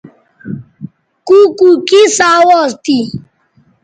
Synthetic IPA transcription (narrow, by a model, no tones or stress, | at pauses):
kukukisawɔsti